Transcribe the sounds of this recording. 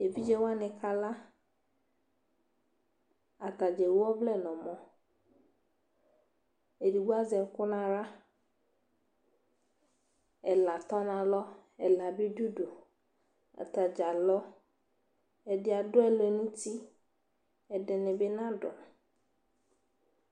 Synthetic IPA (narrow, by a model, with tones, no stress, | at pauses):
e˨vi˦d͡ʒɛ˦wa˦nɪ̃˨kʰa˦la˦ | a˨ka˨d͡ʒɛ˨wɔ˦vlɛ˦˨nɔ̃˨mɔ̃˦ | e˨di˨ɡ͡bu˦a˦zɛ˨˦kʊ˦nã˨ɾa˦ | ɛ˨la˨t̪ɔ˦nã˨lɔ˦ɛ˨la˨bi˦du˦ɖo˨ | a̰˨t̪a˨d͡ʒa˨lɔ˦ | ɛ˨dɪ˦a˨dʊ˦ɛ˦˨le˨nũ˦t̪i˦ | ɛ˨dɛ˨nɪ̃˨be˦nã˦ɖʊ˨a˨